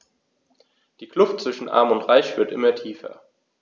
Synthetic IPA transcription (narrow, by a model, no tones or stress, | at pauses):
d̥iːkl̥ʊftt͡sv̥ɪʃn̩ʔa̰ɐmʊntʁaɪçv̥ɪɐtʔɪ̰mɐtʰiːfɐ̰